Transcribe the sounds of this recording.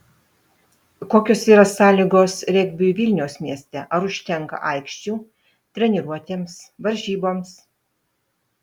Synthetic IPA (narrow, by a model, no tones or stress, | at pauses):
koːkʲoːsiːɾɐsɑːlʲiɡoːsɾʲɛɡʲbʲʊʋʲɪlʲnʲɛʊsmʲiɛsʲt̪ʲɛʔɐɾʊʃʲt̪ʲɛŋkɐ̰ʔɐˑɪkʃʲt͡ʃʲuː | t̪ʲɾʲɛnʲɪɾuɔt̪ʲeːmsʋɐɾʲʒʲiːboːms